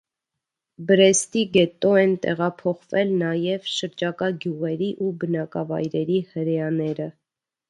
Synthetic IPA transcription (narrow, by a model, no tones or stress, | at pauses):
bəɾɛst̪iɡɛt̪ɔɛnt̪ɛ̰ʁɑpʰɔχvɛlnɑjɛvʃəɾd͡ʒɑkɑɡjuʁɛɾiʔubənɑkɑvɑ̰jɾɛɾihəɾɛjɑnɛɾə